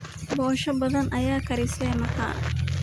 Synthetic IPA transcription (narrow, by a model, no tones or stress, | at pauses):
boːʃɐbɐd̪ɐnɐjaːkɐɾiseːmɐha̰